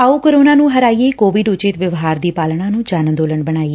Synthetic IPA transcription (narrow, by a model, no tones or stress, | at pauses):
aːuːkəɾoːnaːnũːɦəɾaːieːkoːʋɪɖʊt͡ʃɪt̪ʋəʋɦaːɾd̪iːpaːlɳãːnũːd͡ʒaːnd̪oːləɳbəɽaːiː